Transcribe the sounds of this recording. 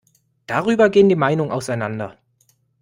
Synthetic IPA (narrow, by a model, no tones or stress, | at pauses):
d̥aʁ̞yːbɐɡeːəndiːmaɪnʊŋʔa̰ʊsaɪnandɐ̰